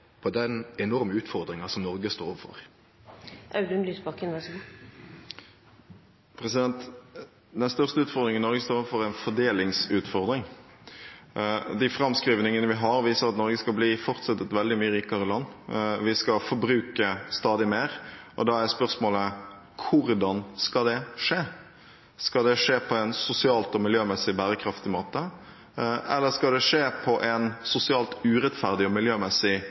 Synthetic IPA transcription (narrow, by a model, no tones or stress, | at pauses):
pʰɔd̪ɛnɛnɔɾməʉːt̪fɔʁd̪ɾɪŋɑsɔmnɔɾɡəst̪oːɾɔʋəfɔ̰ɾ | ʔɑʉd̪ʉnlyːsbɑkənʋæsɡu | pʰɾɛsɪd̪ɛnt̪ | d̪ɛnst̪œʁst̪əʉːt̪fɔʁd̪ɾɪŋənnɔɾɡəst̪oːɾɔʋəfɔɾɛɪnfɔɖ̪eːlɪŋsʉːt̪fɔɾd̪ɾɪŋ | d̪ɪfɾɑmskɾiːʋnɪŋənəʋɪɦɑɾʋiːsəɾɑt̪nɔɾɡəskɑlbliːfɔʁt̪sɑt̪ːət̪ʋɛld̪ɪmyːəɾiːkɑʁəɪlɑnːʋɪskɑfɔɾbɾʉːkəst̪ɑːd̪ɪmeːɾʔɔ̰d̪ɑæspœɾsmoːlə | kʰʊɾd̪ɑnskɑd̪ɛʂeː | skɑld̪ɛʂeːpʰɔɛnsʊsɪɑːlt̪ɔmɪljøːmɛsːɪbæːɾəkʰɾɑft̪ɪmoːt̪ə | ʔɛ̰lːəskɑld̪ɛʂeːpʰɔʔɛnsʊsɪɑːlt̪ʉːɾɛt̪fæʁd̪ɪɔmɪljøːmɛsɪ